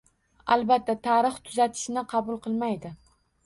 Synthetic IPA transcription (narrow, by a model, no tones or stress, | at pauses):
a̰lˠbat̪ʰːat̪ʰaɾɨχt̪ʰʊzat̪ʰɪ̥ʃɪnɪqʰɑbʊlˠqʰɨlˠmajd̪ɪ